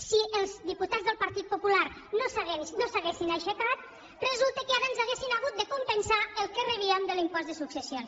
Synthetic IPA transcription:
siəlˠzðiput̪ad͡zzðəlˠpəɾt̪it̪̚pupulaɾ | nosaɣensnosaɣesinajʃəkat̪̚ | rəzulˠt̪əkəaβanzaɣesinaɣut̪̚d̪əkumpənsaəlˠkərəβiəmd̪əlimpɔzd̪əsuksəsjons

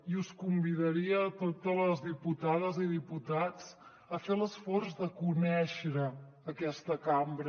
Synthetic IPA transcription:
iuskumbiðəɾiət̪ot̪ələzðiput̪aðəziðiput̪at͡s | əfeləsfɔrzðəkunɛʃɾəː | kɛst̪əkambɾ

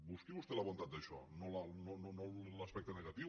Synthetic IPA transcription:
buskiβust̪elɐβont̪at̪̚d̪əʃɔ̰nolanononolɐspɛk̚t̪ənəɣat̪i

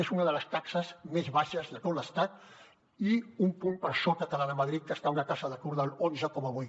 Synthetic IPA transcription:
esunəðələst̪aksəzmezβaʃəzðət̪oləst̪at̪̚ | iumpumpəɾsokət̪əlaðəmaðɾit̪̚kəst̪aunakazəðəkuɾðalonzəkoməβuj

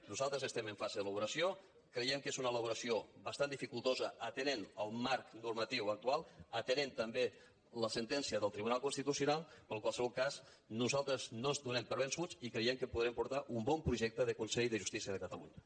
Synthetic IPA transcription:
nuzalˠt̪ɾəzəst̪ɛməɱfazəðələβuɾəsio | kɾəjɛmkezunələβuɾəsiobəst̪and̪ifikulˠt̪ozəːt̪ənenəlˠmaɾknuɾmət̪iwək̚t̪ualˠət̪ənent̪əmbe | ləsənt̪ɛnsiəðəlˠt̪ɾiβunalˠkunst̪it̪usjunalˠpəlˠkwalˠsəβɔlˠkas | nuzalˠt̪ɾəznozd̪unɛmpəɾβənsut͡sikɾejɛmkəpuðɾɛmpuɾt̪aʔumbɔmpɾuʒɛk̚t̪əðəkunsɛʎðəʒust̪isiəðəkət̪əlṵɲə

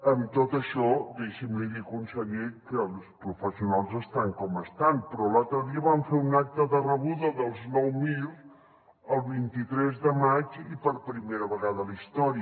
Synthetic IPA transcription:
əmt̪ot̪əʃɔd̪eʃimliɣikunsəʎekəlˠspɾufəsiunalˠzəst̪aŋkɔməst̪anpɾɔlalˠt̪ɾəðiəβaɱfeunak̚t̪əðərəβuðəðəlˠznɔwmilˠ | əlˠβint̪it̪ɾɛzðəmat͡ʃipəɾpɾimeɾəβəɣaðəlist̪ɔɾi

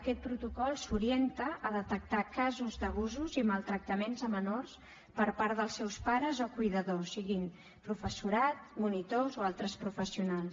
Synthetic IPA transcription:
əkɛt̪̚pɾut̪ukɔlˠsuɾient̪əʔəðət̪ək̚t̪akazuzd̪əβ̞uzuziməlˠt̪ɾək̚t̪əmenzəmənors | pəɾpaɾðəlˠsːɛwspaɾəzokujðəðosiɣin | pɾufəsuɾat̪̚munit̪ozoalˠt̪ɾəspɾufəsiunalˠs

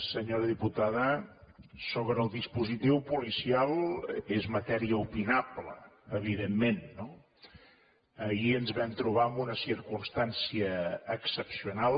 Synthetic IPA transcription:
səɲoɾəðiput̪aðə | soβɾəlˠd̪ispuzit̪iwpulisialˠezmət̪ɛɾiəupinaplə̰əβ̞iðemːenːo | əiənzβɛmt̪ɾuβ̞aəmbunəsiɾkunst̪ansiəːksəpsiunal

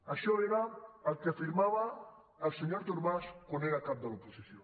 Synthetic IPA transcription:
aʃɔeɾaːlˠkefiɾmaβaː | lˠseɲoɾt̪uɾβaʃkuneɾakap̚d̪əlupusiθjo

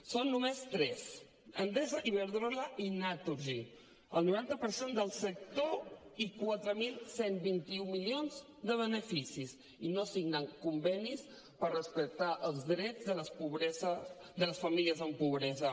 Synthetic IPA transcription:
sonːumest̪ɾɛz | ənd̪ɛzəʔiβəɾðɾɔləʔinat̪uɾʒi | əlˠnuɾant̪əpəɾsend̪əlˠsək̚t̪oikwat̪ɾəmilˠsenbint̪iumilionz | d̪əβənəfisis | inosiɡnəŋkumbɛnis | pərrəspək̚t̪aʔəlˠzðɾɛd͡zðələspuβɾɛzəd̪ələsfəmiliəzəmpuβ̞ɾɛzə

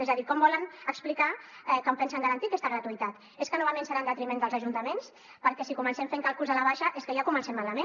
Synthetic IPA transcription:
ezəðikɔmbɔlənəksplikaɛkəmpɛnsəŋɡaɾənt̪ikɛst̪əɣɾat̪uit̪at̪ | eskənɔβamensəɾand̪ət̪ɾimend̪əlˠzəʒunt̪əmens | pəɾkɛsikumənsɛmfeŋkalˠkuzəlaβaʃəʔeskəʒakumənsɛmːalamen

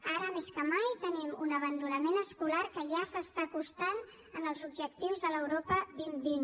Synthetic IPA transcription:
aɾəmeskəmajt̪ənimunəβ̞ənd̪unəmenəskulaɾkəʒasəst̪akust̪an | ənəlˠzubʒək̚t̪iwzðələwɾopəβimbin

